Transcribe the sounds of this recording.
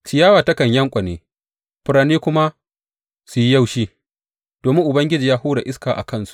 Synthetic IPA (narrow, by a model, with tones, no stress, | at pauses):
t͡ʃɪ˨jaː˦waː˨tɐ˦kɐ˨ɲjɐ˦ŋkʷʼɐ˨neː˦ | ɸʊ˨ɾaː˨niː˦kʷʊ˦ma˦ | su˨ji˦ja˦wʃiː˦ | d̥oː˨mɪ˦ŋʔʊ˨bɐ˦ŋɡʲɪ˦d͡ʒiː˨jaː˦huː˦ɽa˨ʔɪ˦skaː˨ʔa̰˨kɐ˦˨nsu̥˦